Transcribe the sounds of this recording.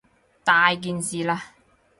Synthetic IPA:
t̪aː˨jk̬iː˨nsiː˨laː˧

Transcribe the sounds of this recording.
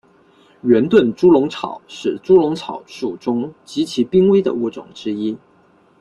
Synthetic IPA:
ɥɛ˧˥nt̪wə˥˩nʈ͡ʂu˥lʊ˧˥ŋt͡sʰɑ̰˨˩˦ʊʂɻ̩˥˩ʈ͡ʂu˥lʊ˧˥ŋt͡sʰɑ˨˩ʊʂu˨˩ʈ͡ʂʊ˥ŋt͡ɕi˧˥t͡ɕʰi˧˥pi˥ŋwe˥ɪd̪ə̰˨u˥˩ʈ͡ʂʊ̰˨˩ŋʈ͡ʂɻ̩˥i˥

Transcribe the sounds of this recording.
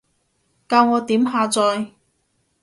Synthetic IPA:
kaː˧wŋɔː˨˧t̪iː˨˥mɦaː˧t͡sɔː˨˧j

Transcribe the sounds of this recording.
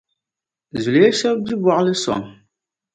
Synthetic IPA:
zu˨le˦ʃɛ˦lbi˦bɔ˨ʔlɨ˦sɔ̰˨ŋ

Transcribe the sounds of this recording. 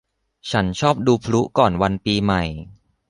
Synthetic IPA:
t͡ɕʰa˦˥nt͡ɕʰɔː˥˩p̚duː˧pʰlu˦˥kɔː˨˩nwa˧npiː˧ma˨˩j

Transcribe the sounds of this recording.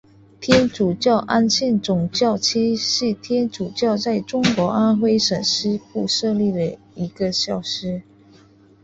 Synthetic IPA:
t̪ʰjɛ˥nʈ͡ʂu˨˩t͡ɕjɑ˥˩ʊʔa˥nɕʰi˥˩nt͡sʊ˨˩ŋt͡ɕjɑ˥˩ʊt͡ɕʰi˥ʂ̩˥˩t̪ʰjɛ˥nʈ͡ʂu˨˩t͡ɕjɑ˥˧ʊt͡sa˥˩ɪʈ͡ʂʊ˥ŋkwɔ˧˥ʔa˥nxwe˥ɪʂə˨˩nʂɻ̩˥pu˥˧ʂɤ˥˧li˥˩d̪ə˩ | i˧˥ɡə˧ɕjɑ˥˩ʊʂɻ̩˥

